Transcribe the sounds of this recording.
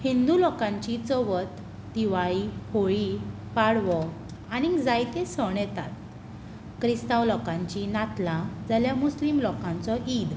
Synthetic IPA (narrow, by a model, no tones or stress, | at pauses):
hind̪ulɔkãɲt͡ɕit͡səʋət̪ | d̪iʋaɭihoɭi | paɽʋɔ | añid͡zajt̪esəɳjɛt̪at̪̚ | kɾist̪awlɔkãɲt͡ɕinat̪lãd͡zaljamuslimlɔkãnt͡sɔid̪